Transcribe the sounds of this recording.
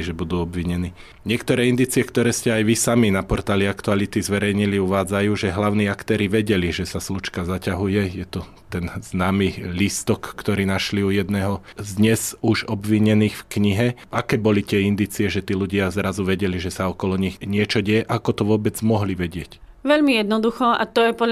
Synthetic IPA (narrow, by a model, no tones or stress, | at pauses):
ʒɛbud̪uːɔbʋiɲɛniː | ɲɪɛkt̪ɔɾɛːind̪iːt͡siɛkt̪ɔɾɛːscɛajʋisaminapɔɾt̪aːliakt̪ualit̪izʋɛɾɛjɲiliuʋaːd͡zajuːʒɛɦlaʊniːakt̪ɛːɾiʋɛɟɛliʒɛsaslut͡ʃkazacaɦujɛjɛt̪ɔ | t̪ɛnznaːmilist̪ɔkːt̪ɔɾiːnaʃliujɛd̪nɛɦɔzd̪ɲɛzuʒɔbʋiɲɛniːxfkɲiɦɛʔakɛːbɔlit̪ɪɛind̪iːt͡siɛʒɛt̪iːluɟɪazɾazuʋɛɟɛliʒɛsaɔkɔlɔɲixɲɪɛt͡ʃɔɟɛjɛʔakɔt̪ɔʋʊɔbɛd͡zmɔɦliʋɛɟɪɛc | ʋɛʎmijɛd̪nɔd̪uxɔa̰t̪ɔjɛpɔd